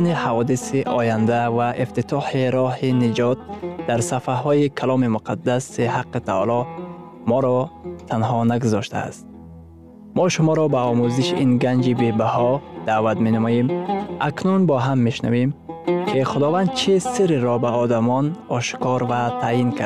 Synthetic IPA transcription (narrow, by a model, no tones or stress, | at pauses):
nihavɔd̪isiʔɔjand̪avaʔift̪it̪ʰɔħiɾɔhinid͡ʒɔt̪̚d̪̥aɾsafaɦɔjikʰalɔmimʊqʰad̪ːasihaqːit̪ʰa̰lɔ | mɔɾɔt̪ʰanɦɔnaɡʊzɔʃt̪ʰa̰ːst̪̚ | mɔʃʊmɔɾɔbaɔmuziʃʔinɡand͡ʒibebahɔd̪̥aːvat̪menamɔjemʔaknunbɔɦamːeʃna̰vemkʰiχʊd̪ɔvand̪̚t͡ʃʰisiɾiɾɔbaɔd̪amɔnɔʃkɔɾvat̪ʰainkʰaɾ